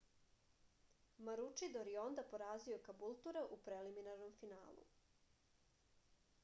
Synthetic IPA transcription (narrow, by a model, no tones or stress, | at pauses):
maɾut͡ʃid̪oɾjeo̞nd̪apo̞ɾaːzio̞kabulˠt̪uɾeʔupɾeliminaɾno̞mfinaːlˠṵ